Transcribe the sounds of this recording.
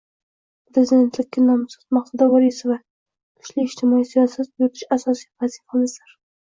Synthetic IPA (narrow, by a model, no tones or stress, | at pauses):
pʰɾezɪd̪ʲe̞nt̪lɪkʲːanɒmsɑ̥t̪maχsad̪avɒɾisɪva | t̪ʰʊ̥ʃliɪʃt̪ʰɪmɒisijɒsat̪̚bot̪ɪʃasɒsijvazifamɪzd̪aɾ